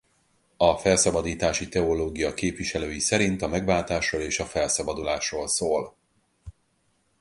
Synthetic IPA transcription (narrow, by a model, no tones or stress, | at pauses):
ɒfɛlsɒbɒd̪iːt̪aːʃit̪ɛoloːɡijɒkeːpʋiʃɛløːjisɛɾint̪ɒmɛɡvaːlt̪aːʃroːleːʃɒfɛlsɒbɒd̪ulaːʃroːlsoːl